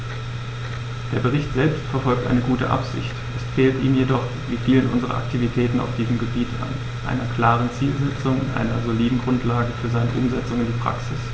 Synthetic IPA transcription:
d̥eːɐbəʁ̞ɪçtz̥ɛlpstfɛɐfɔlk̚tʔa̰ɪnəɡuːtə̰ʔa̰pz̥ɪ̰çtʔɛsfɛːltiːmjedɔχ | viːfiːlənʔʊnzəʁɐ̰ʔa̰ktʰivitʰɛːtn̩a̰ʊfd̥iːzəmɡəbiːta̰n | ʔa̰ɪnɐkʰl̥aːʁ̞ənt͡siːlzɛt͡sʊŋɪnʔa̰ɪnɐzoliːdn̩ɡʁʊntlaːɡəfyːɐzaɪnəʔʊmzɛt͡sʊŋɪndiːpʁ̥a̰ksɪs

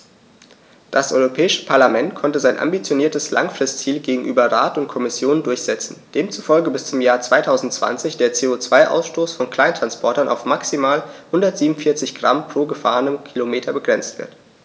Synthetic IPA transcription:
d̥asʔɔʏʁopʰɛːɪʃə̥pʰaɐlamɛntkʰɔntəzaɪnʔa̰mbit͡sjoniːɐtəsla̰ŋfʁ̥ɪstt͡siːlɡeːɡŋ̩ʔyːbɐʁa̰ːtʊntkʰɔmɪsjoːnəndʊɐçz̥ɛt͡sn̩d̥eːmt͡sufɔlɡəbɪst͡sʊmjaːɐt͡sv̥aɪtʰaʊzn̩tt͡sv̥a̰nt͡sɪçd̥eːɐt͡seːot͡sv̥aɪʔa̰ʊsʃtoːsfɔnkʰl̥aɪntʁ̥anspʰɔɐtɐnʔa̰ʊfmaksimaːlhʊndɐtz̥iːbmn̩fɪɐt͡sɪçɡ̥ʁampʁ̥oːɡəfa̰ːʁənəmkʰilomeːtʰɐbəɡʁɛnt͡stv̥ɪ̰ɐt

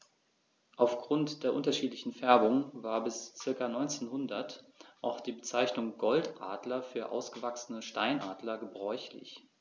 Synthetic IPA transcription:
ʔaʊfɡ̥ʁʊntd̥eːɐʔʊntɐʃiːtlɪçn̩fɛɐbʊŋvaːɐbɪst͡sɪɐkanɔʏnt͡seːnhʊndɐt | ʔaʊxd̥iːbət͡saɪçnʊŋɡɔltʔaːdlɐfyːɐʔa̰ʊsɡ̥əvaksnəʃta̰ɪnʔaːdlɐɡəbʁɔʏçlɪ̰ç

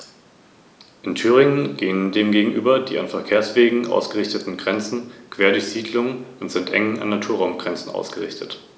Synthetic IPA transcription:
ʔɪntʰyːʁ̞ɪŋənɡeːəndeːmɡeːɡŋ̩ʔy̰ːbɐdḭːʔanfɛɐkʰeːɐsv̥eːɡŋ̩ʔa̰ʊsɡ̥əʁɪçtətn̩ɡʁɛnt͡sn̩kv̥eːɐdʊɐçz̥iːdlʊŋʊntz̥ɪntʔɛ̰ŋən̩a̰nːatʰuːɐʁaʊmɡ̥ʁɛnt͡sn̩ʔa̰ʊsɡ̥əʁɪ̰çtʰət

